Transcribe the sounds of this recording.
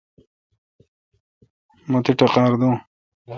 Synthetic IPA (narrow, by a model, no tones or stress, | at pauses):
mɐt̪iʈɐqaːɾd̪ũː